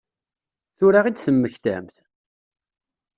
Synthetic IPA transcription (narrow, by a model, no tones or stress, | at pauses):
θʊɾaʁid̪θəmːəçθæ̰mθ